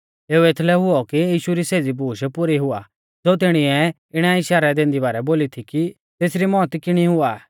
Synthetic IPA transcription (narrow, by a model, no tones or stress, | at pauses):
eːuet̪ʰlɛɦʊɔkijiːʃuɾiseːd͡zibʱuːʃpʊɾiɦʊa̰ | d͡zoːt̪̬ɪɽ̃iɛ | ɪɽ̃ɛiʃaːɾɛd̪ẽːnd̪ibaːɾɛboːlit̪ʰiki | t̪eːsɾimɔːt̪kɪɽ̃iɦʊaː